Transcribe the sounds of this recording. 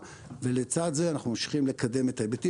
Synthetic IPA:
ve̞let͡sad̪zeanaχnumamʃi̥χimle̞kʰade̞met̪aebet̪i

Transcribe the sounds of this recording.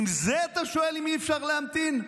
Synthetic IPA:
imzeat̪aʃo̞e̞limiefʃaʁleamt̪in

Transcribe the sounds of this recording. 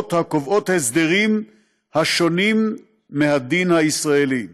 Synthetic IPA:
t̪hakovʔot̪hesd̪eʁim | haʃo̞nimː | ehad̪inhaisʁaeli

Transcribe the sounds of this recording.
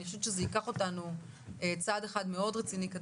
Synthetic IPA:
niaʃuvʃezeikaχo̞tanu | et͡sadeχadme̞o̞dʁet͡sinika

